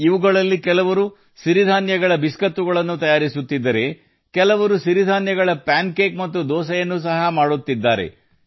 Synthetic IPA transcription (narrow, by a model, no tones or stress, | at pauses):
iʋuɡɐɭɐlːikɛlɐʋɐɾu | ʃiɾid̪ʱaːnjɐɡɐɭɐbiskɐt̪ːuɡɐɭɐnːut̪ɐjaːɾisut̪ːid̪ːɐɾe̞ | kɛlɐʋɐɾuʃiɾid̪ʱaːnjɐɡɐɭɐpaːnkeːkmɐt̪ːud̪ɔːsɐjɐnːus̬ɐɦɐmaːɽut̪ːid̪ːaːɾḛ